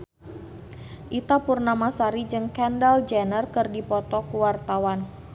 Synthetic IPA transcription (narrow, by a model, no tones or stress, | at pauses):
ʔit̪apurnamasaɾid͡ʒɨŋkɛndald͡ʒɛnərkɨrdipɔt̪ɔkuwart̪awan